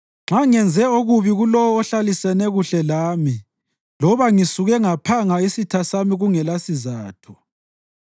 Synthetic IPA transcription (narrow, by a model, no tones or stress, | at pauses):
ŋ͡ǁaŋɛnd͡zʱɛoɣuβiɣulɔwɔːɬalisɛnɛɣuɬɛlaːmi | lɔβaŋisuɣɛŋapʰaŋaisitʰasamiɣuŋɛlasizaːtʰɔ̥